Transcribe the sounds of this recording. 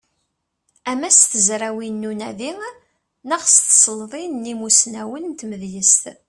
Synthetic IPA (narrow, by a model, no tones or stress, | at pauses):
æmæst̪əzɾæwinːunæði | nəʁst̪sˤəlðˤinːimusnæwənt̪məðjəst̪